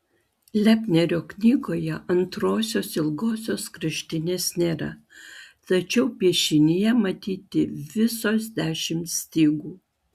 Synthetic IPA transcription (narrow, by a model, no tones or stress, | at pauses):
lʲæːpʲnʲɛɾʲoːknʲiːɡoːjɛʔɐnt̪ɾoːsʲoːsɪlˠɡoːsʲoːskɾɐʃʲt̪ʲɪnʲeːsnʲeːɾɐ̰ | t̪ɐt͡ʃʲɛʊpʲiɛʃʲɪnʲɪjɛmɐt̪ʲiːt̪ʲɪʋʲɪsoːzd̪ʲæːʃʲɪmt̪sʲt̪ʲiːɡuː